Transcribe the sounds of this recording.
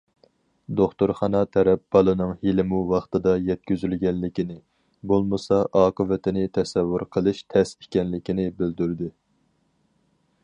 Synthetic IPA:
d̪oχt̪oɾχɑnɑt̪ʰɛɾɛp̚b̥ɑlˠɨnɨŋhilɪmuwɑχt̪ɨd̪ɑjɛt̪̚kʲyzylɡʲɛnlːɪkʲinɪ | bolˠmɨsɑʔɑːqəvɪt̪ʰɪnɪt̪ʰɛsɛvːuɾqʰəlˠɨʃt̪ʰɛse̥kʲɛnlɪkʲinɪbɪld̪yɾd̪ɪ

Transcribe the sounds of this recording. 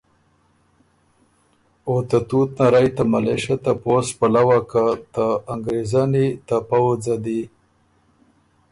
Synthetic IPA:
ot̪at̪ut̪naɾajt̪amaleʃat̪apospalawakat̪aːŋɡɾezanit̪apawd͡zad̪i

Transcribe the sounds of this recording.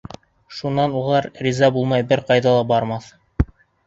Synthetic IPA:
ʃunːɑnulˠɑɾrʲizɑbulˠmɑjbɘɾqɑjðɑlˠɑbɑɾmɑθ

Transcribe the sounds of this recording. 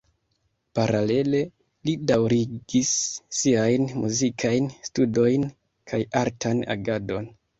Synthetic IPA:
paɾale̞le̞ | lidawɾiɡisːiajnmuzikʰajnstudo̞jn | kʰajaɾtʰana̰ɡado̞n

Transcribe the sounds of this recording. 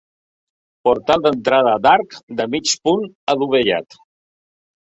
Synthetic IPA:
puɾt̪alˠd̪ənt̪ɾaðəd̪aɾkd̪əmit͡ʃpunəluβəʎa̰t̪

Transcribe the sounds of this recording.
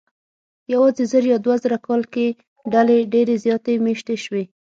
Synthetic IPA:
jawɑzezəɾjɑd̪wazəɾakɑlke | ɖaleɖeɾezjɑt̪emeʃt̪eʃwe

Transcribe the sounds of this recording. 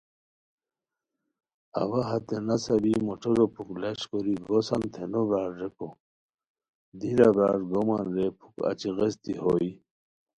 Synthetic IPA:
a̰waɦat̪enasɐbimoʈoɾopʰukleɕkoɾiɡosant̪ʰenobɾaːɾɾeko | d̪ilabɾaːɾɡomanɾepʰu̥ka̰t͡ɕiɣest̪iɦoi

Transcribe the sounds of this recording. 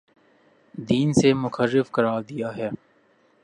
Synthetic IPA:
d̪iːnsemʊxəɾːɪfkɐɾaːd̪ijaɦɛː

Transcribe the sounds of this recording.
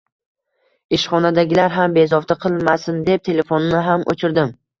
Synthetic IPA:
ɪʃχɒnad̪aɡʲɪlaɾɦambe̞zɒft̪ʰaqʰɨlˠmasɪnd̪e̞p̚t̪ʰe̞le̞fonːɪɦamʔo̰t͡ʃʰɪɾd̪ɪm

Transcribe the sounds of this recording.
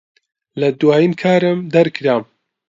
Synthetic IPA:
lɐd̪waːjinkʰaːɾɨmd̪ɐɾkʰɾaːm

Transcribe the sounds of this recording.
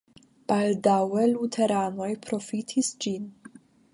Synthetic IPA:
b̥aldawe̞lutʰe̞ɾano̞jpɾo̞fitʰisd͡ʒin

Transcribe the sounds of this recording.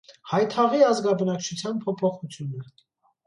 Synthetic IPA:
hɑjt̪ʰɑʁiɑzɡɑbənɑkt͡ʃʰut͡sʰjɑnpʰɔpʰɔχut͡sʰjunə

